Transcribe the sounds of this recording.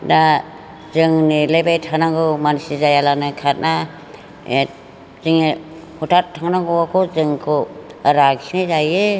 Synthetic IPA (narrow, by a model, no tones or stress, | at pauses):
da | zɯŋnilejbajtʰanaŋɡɯmansizajalanɯkʰat̚na | zɯŋi | hutʰattʰːaŋnaŋɡɔakʰɔzɯŋkʰɯaɾaɡsinizajɯ